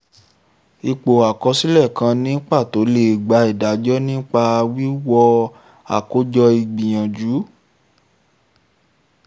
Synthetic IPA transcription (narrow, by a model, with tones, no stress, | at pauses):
i˨k͡po˨a˨kɔ˧˦si˦lɛ˦˨kã˧nĩ˦k͡pa˦˨to˨˦le˧˨ɡ͡ba˧i˨da˨˦d͡ʒɔ˦nĩ˦k͡pa˧wi˦wɔ˧ | a̰˨ko˨˦d͡ʒɔ˧i˧ɡ͡bĩ˨j̃ã˨d͡ʒu˨˦